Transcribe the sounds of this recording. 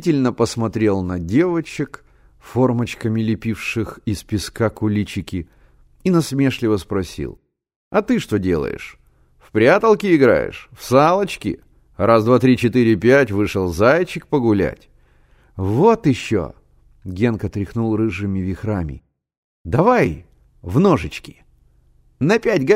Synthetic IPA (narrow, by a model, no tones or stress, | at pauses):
tʲɪlʲnəpəsmɐt̪ɾʲe̞lˠnɐdʲe̞vət͡ɕɪk | fo̞rmət͡ɕkəmʲɪlʲɪpʲifʂɨxɪspʲɪskakʊlʲit͡ɕɪkʲɪ | inɐsmʲe̞ʂlʲɪvəspɾɐsʲḭlˠ | ɐt̪ɨʂt̪o̞dʲe̞̰lˠə̰jɪ̰ʂ | fpɾʲat̪əlˠkʲɪɪɡɾa̰jɪ̰ʂfsalˠət͡ɕkʲɪ̰ | razd̪vat̪ɾʲit͡ɕɪt̪ɨɾʲɪpʲætʲvɨʂəlˠzajt͡ɕɪk̚pəɡʊlʲæ̰tʲ | vo̞t̪ɪɕːo̰ | ɡʲenkət̪ɾʲɪxnulˠrɨʐɨmʲɪvʲɪxɾamʲɪ̰ | d̪ɐvaj | vnoʐɨt͡ɕkʲɪ̥ | nɐpʲætʲɡ